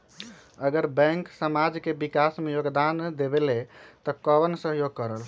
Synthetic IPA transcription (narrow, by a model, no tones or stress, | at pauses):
əɡəɾbɛ̃ŋksəmad͡ʒkebikasmejoɡd̪and̪ebelet̪ɔkəbənsəɦjoɡ̚kəɾəl